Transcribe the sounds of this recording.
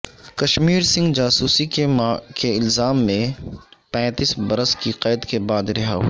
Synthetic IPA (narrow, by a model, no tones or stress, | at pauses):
kɐʃmiːɾsɪ̃ŋɡd͡ʒaːsuːsikekeɪlzaːmːẽpɛ̃ːt̪iːsbɐɾəskiqeːd̪kebaːd̪ɾɐɦa̰ɦ